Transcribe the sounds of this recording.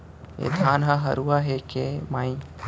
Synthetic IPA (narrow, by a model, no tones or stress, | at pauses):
ḛd̪ʱaːnɦɐɦɐ̰ɾuaɦekemaːĩ